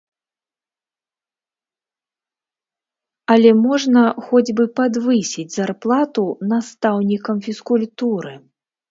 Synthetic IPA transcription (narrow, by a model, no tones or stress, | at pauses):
ɐlʲɛmɔʐnɐxɔd͡zʲbɨpad̪vɨsʲid͡zʲzarplˠat̪unast̪awnʲikɐmfʲiskulʲt̪uɾɨ